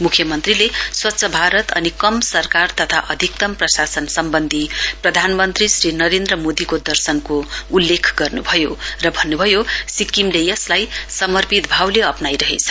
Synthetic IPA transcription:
mukʰjʌmʌnt̪rileswʌtːsʰʌbʱaɾʌt̪ʌ̰nikʌmsʌrkart̪ʌt̪ʰa̰ʔʌd̪ʱik̚t̪ʌmprʌsasʌnsʌmbʌnd̪ʱiprʌd̪ʱanmʌnt̪risrinʌɾend̪rʌmod̪ikod̪ʌrsʌnkoulːekʰɡʌrnubʱʌjorʌbʱʌnːubʱʌjosikimlejʌslajsʌmʌrpit̪bʱawleʌpnajɾʌɦḛt͡sʰʌ̥

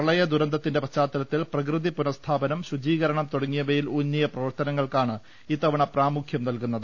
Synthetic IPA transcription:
pɐɭɐjɐd̪uɾɐnd̪ʱɐt̪ːinde̞pɐt͡ɕːaːt̪ːɐlɐt̪ːilprɐk̬rɨðipunɐst̪ʰaːbɐnɐmɕud͡ʑiːɣɐɾɐɳɐmt̪oɽɐŋːijɐʋɐjilunːijɐprɐʋɐrt̪ɐnɐŋːɐɭkaːɳɨ | iːt̪ːɐʋɐɳɐpraːmukʰjɐmnɐlkunːɐðɨ

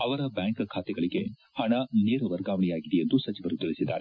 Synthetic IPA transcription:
ɐʋɐɾɐbjaːŋkkʰaːt̪ɛɡɐɭiɡe | hɐɳɐneːɾɐʋɐɾɡaːʋɐɳijaːɡid̪ejend̪usɐt͡ʃiʋɐɾut̪iɭisid̪ːaːɾe

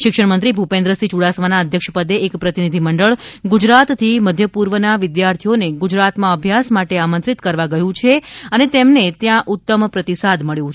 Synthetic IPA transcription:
ʃɪkʃəɽmənt̪ɾibʱupẽnd̪ɾəsit͡ʃuɽasʋanaəd̪ʱjəkʃəpəd̪eːkpɾət̪inid̪ʱiməɳɖəɭɡud͡ʒɾat̪t̪ʰːiməd̪ʱjəpuɾʋənaʋɪd̪jaɾt̪ʰijoneɡud͡ʒɾat̪mãəbʱjasmaʈeamənt̪ɾit̪kəɾʋaɡəjũt͡ʃʰeənet̪emnet̪jãʔut̪ːəmpɾət̪isad̪məɭjũ

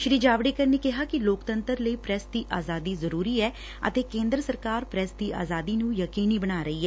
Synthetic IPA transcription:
ʃɾiːd͡ʒaːʋɽeːkəɾneːkɪɦaːkɪloːkt̪ənt̪əɾləiːpɾɛsd̪iːʔaːzaːd̪iːzəɾuːɾiːɛː | ə̰t̪eːkẽːnd̪ɾəsəɾkaːɾpɾɛsd̪iːʔa̰ːzaːd̪iːnũːjəkiːniːbənaːɾəiːɛː

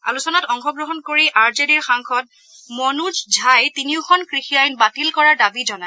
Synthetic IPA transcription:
a̰lusɔnatɔŋxɔɡɹɔɦɔnkoɹiʔaɹzediɹxaŋxʰɔt̚ | mɔnud͡ʒd͡ʒʱajtiniʊkʰɔnkɹixijajnbatilkɔɹaɹdabizɔna

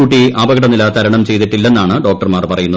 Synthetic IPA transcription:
uːʈːiʔaːbɐɣɐɽɐnːilɐt̪ɐɾɐɳɐmt͡ɕe̞jt̪iʈːilːe̞nːaːɳɨɖo̞ːk̚ʈɐrmaːrpɐrɐjunːɐ

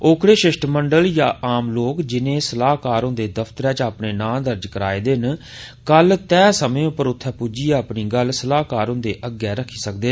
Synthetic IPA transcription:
oːkʰɽeːʃɪʃʈməɳɖəljãːʔaːmloːkd͡ʒɪnẽːsəlaːɦkaːɾʊ̃nd̪eːd̪əfʰt̪əɾɛːt͡ʃaːpneːnãːd̪əɾd͡ʒkəɾaːeːd̪ɪn | kəlt̪ɛːsəmẽːʊpːəɾʊt̪ʰːɛːpuːd͡ʒiːəːpniːɡəlsəlaːkaːɾʊ̃nd̪eːʔəɡɛːɾəkʰːiːsək̚d̪eː

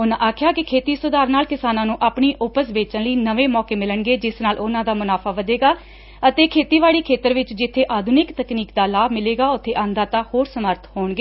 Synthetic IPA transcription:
ʊnãʔaːkʰjaːkɪkʰeːt̪iːsʊd̪aːɾnaːlkɪsaːnãːnũːʔaːpɳiːʔʊpəsbeːt͡ʃə̃ləiːnəʋeːmɔːkeːmɪləɳɡeːd͡ʒɪsnaːlʔʊnãːd̪aːmʊnaːpʰaːʋəd̪eːɡaː | ət̪eːkʰeːt̪iːʋaːɽiːkʰeːt̪əɾʋɪt͡ʃd͡ʒɪt̪ʰːeːʔaːd̪ʱʊnɪkt̪əkniːkd̪aːlaːbmɪleːɡaːʊt̪ʰːeːʔãːnd̪aːt̪aːhoːɾsəməɾt̪ʰhoːɳɡeː

